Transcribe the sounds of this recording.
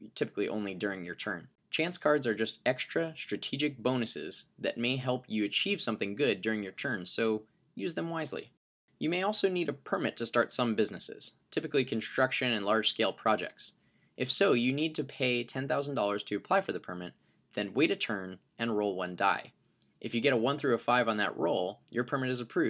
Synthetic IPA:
tʰɪpə̥kliʔõ̰ʊ̃nlidʊɹɪ̃ŋjə̰˞tʰɜ̰̃˞n | t͡ʃʰæ̃nskʰɑɹdzə˞d͡ʒʌstɛkstɹ̥ɨstɹ̥ɨtʰid͡ʒɨk̚b̥õʊ̃nɨsɪ̰zðɨ̰t̚meɪɦɛlˠpʰjɨɨt͡ʃʰiv̥sʌ̃mθɪ̃ŋɡʊdʊɹɪ̃ŋjə˞tʰɜ̃˞nsoʊ | jʉzðɨ̃mwaɪzlḭ | jɨmeɪɔlˠsoʊniɾɨpʰə˞mɪtʰɨstɑɹtsʌ̃mbɪznɨsɪ̰z̥tʰɪpɨklikʰn̩stɹ̥ʌkʃɨ̃nɨ̃nlˠɑɹd̥ʒ̥skeɪlˠpʰɹ̥ɑd͡ʒɛ̰k̚ts | ʔɨfsoʊjɨnid̚tʰɨpʰeɪtʰɛ̃nθaʊzn̩dɔlˠə˞z̥tʰɨːpʰl̥aɪfə˞ðɨpʰə˞mɪt̪̚ | ðɨ̃nweɪɾɨtʰɜ̃˞n | ɨ̃nɹoʊlˠwʌ̃nda̰ɪ | ʔɨfjɨɡɛɾəwʌ̃nθɹʉɨfaɪṽn̩ðɨ̰ʔɹo̰ʊlˠjə˞pʰə˞mɨɾɨzəpʰɹ̥ʉ

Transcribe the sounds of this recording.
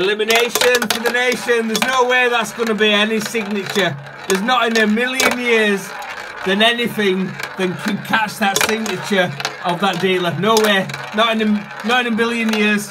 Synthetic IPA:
ɪlɪmɪneɪʃə̃nfəðəneɪʃə̃nðəznoʊwɛːðətsɡ̥ʌnəbiɛnɪsɪɡ̚nɪt͡ʃə | ðəznətɪ̃nəmɪlˠjə̃njɪəəz | ðə̃nɛnɪθɪ̃ŋðə̃nkʰə̃nkʰat͡ʃðətsɪɡ̚nɨt͡ʃə˞ʔəvðəʔ̚d̥iːlˠənoʊwɛɹnəɾɪ̃nə | nəɾɪ̃nəmɪlˠjə̃njɪəz̥

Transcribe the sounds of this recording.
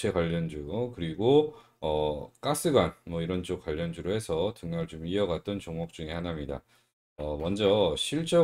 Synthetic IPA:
ekwaʎːʌnd͡ʑukɯɾiɡo | ʌk͈as͈ɯɡanmʌiɾʌnt͡ɕ͈ok͈waʎːʌnd͡ʑuɾohe̞sʰʌtɯŋɲaɭt͡ɕomiʌɡat̚t͈ʌnt͡ɕoŋʌk̚t͡ɕ͈uŋehanamɲida̰ | ʌmʌnd͡ʑʌɕʰiɭt͡ɕ͈ʌ

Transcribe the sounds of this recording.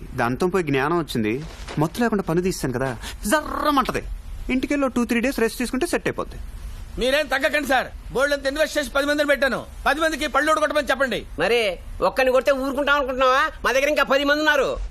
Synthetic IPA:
d̪a̰ːnt̪oːmpoːjiɡnjaːnɐmʋɐt͡ʃːind̪imɔt̪ːulɛːkuɳɖaːpɐnid̪iːsaːnikɐd̪aːzɐɾːɐmɐɳʈɐd̪ḭiɳʈikeːlːo̞ːʈuːt̪ʰɾiːɖe̞ːsɾesʈt̪iːsukuɳʈeːseʈːɐjpo̰ːt̪ːimiːɾe̞ːnt̪ɐɡːɐk̬ːɐɳɖisaːɾboːɭːɐnt̪enːiʋeʃeːʃ̬pɐd̪imɐnd̪unipɛʈ̬ːaːnṵpɐd̪imɐnd̪ikipɐɭːuoʈukɔʈːɐmɐnit͡ʃɛpːɐɳɖḭmɐɾiɔkːɐnikoɽit̪eːuːɾukuɳʈaːmɐnkuɳʈunaːʋaːmaːd̪ɐɡɐɾiŋkaːpɐd̪imɐnd̪iunːaːɾu

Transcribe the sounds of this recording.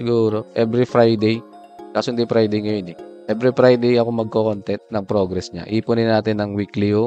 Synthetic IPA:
ɪɡuːɾo̞ʔɛbɾɪfɾajd̪ɛj | kaːsʊnd̪ɪfɾajd̪ɛjŋɐjonɛʔɛbɾɪfɾajd̪ɛjɐkomɐɡ̚kokont̪ɛnt̪̚nɐŋpɾoɡɾɛsɲa̰ʔiːpʊnɪnaːt̪ɪnːɐŋwikliʊ

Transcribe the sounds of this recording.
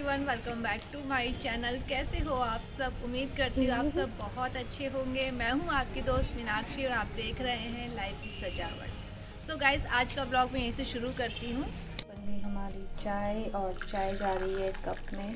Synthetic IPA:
iʋɐ̃nʋɛlkə̃mbɛːkʈumaːit͡ʃɛːnəlkɛːseɦoaːpsɐbʊmːiːd̪̚kɐɾt̪iɦũaːpsɐbːɐɦɔt̪ɐtːʃʰeɦõːŋɡeːmɛ̃ːɦũaːp̚ked̪oːst̪ʋɪnaːkʃiɔːɾaːp̚d̪eːkʰɾɐɦeɦɛ̃laːɪfkisɐd͡ʒa̰ːʋə̰ʈ | soːɡaːɪzaːd͡ʒkablɔːɡmẽjɐɦĩseʃʊɾukɐɾt̪iɦũː | bɐndiɦɐmaːɾit͡ʃaːeɔːɾt͡ʃaːjd͡ʒaːɾəiɦɛkɐpmẽ

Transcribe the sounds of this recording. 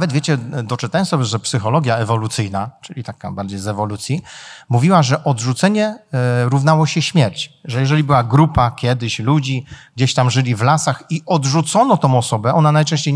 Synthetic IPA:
vɛd̪vʲjet͡ɕɛd̪ɔt͡ʂɨt̪ajɔ̃sɔbʲjɛʐɛpsɘxɔlɔɡʲjaɛvɔlut̪sɘjnat͡ʂɘlʲit̪aka̰baɾd͡ʑejzɛvɔlut̪sʲjimuvʲiwaʐɛʔɔd̪ʐut̪sɛɲɛɾuvn̪awɔɕɛɕmʲjɛɾt͡ɕʐɛjɛʐɛlʲibɘwaɡɾupakʲjɛd̪ɘɕlud͡ʑiɡd͡ʑeɕt̪amʐɘlʲivlasaxiʔɔd̪ʐut̪sɔnɔt̪ɔ̃w̃ɔsɔbɛɔnanajtɛ̃ɕt͡ɕej

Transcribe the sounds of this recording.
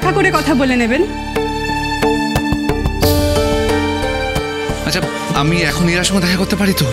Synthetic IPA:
akoɾekɔt̪ʰaboleneben | at͡ɕʰa | amiɛkʰoneɾaʃɔŋɡod̪ɛkʰakoɾt̪epaɾit̪o

